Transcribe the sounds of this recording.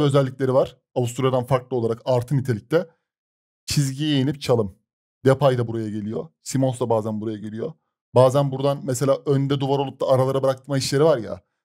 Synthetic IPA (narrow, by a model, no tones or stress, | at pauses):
ø̞zɛlʲːiclʲe̞ɾivaɾ̥ | avust̪ʰuɾjad̪anfaɾklˠɯolˠaɾakaɾt̪ʰɯnit̪ʰe̞lʲic̚lʲɛ | t͡ʃʰizɟijejinʲip̚t͡ʃʰalˠɯm | d̪epʰajd̪abuɾajaɟe̞lʲijo̞̰simonsd̪abaːzænbuɾajaɟelʲijo̞ | baːzænbuɾd̪anmese̞lʲaːʔønd̪ɛd̪uvaɾo̞lˠup̚d̪aːɾalˠaɾabɯɾak̚t̪ʰɯmaiʃlʲe̞ɾivaɾja̰